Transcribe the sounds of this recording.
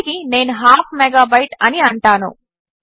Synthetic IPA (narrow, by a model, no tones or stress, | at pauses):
kine̞ːnuɦaːpʰmɛɡaːbɐjʈɐniɐɳʈaːnṵ